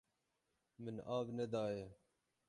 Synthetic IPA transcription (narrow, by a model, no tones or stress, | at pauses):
mɪnaːbned̪ɑːje